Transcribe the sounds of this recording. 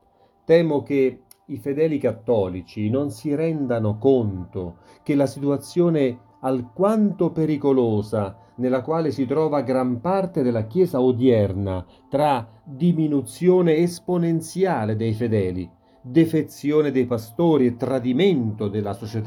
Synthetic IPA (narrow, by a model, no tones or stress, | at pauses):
t̪ɛːmok̟e | ifed̪ɛːlikat̪ːɔːlit͡ʃinonsiɾɛnd̪anokont̪o | k̟elasit̪uat̪sːjoːne | alkwant̪opeɾikoloːza | nelːakwaːlesit̪ɾɔːvaɡɾampart̪ed̪elːakjɛːzaod̪jɛrna | t̪ɾa | d̪iminut̪sjoːneːsponent̪sjaːled̪ejfed̪ɛːlḭ | d̪efet̪sːjoːned̪ejpast̪oːɾiet̪ːɾad̪iment̪od̪elːasot͡ʃet̪a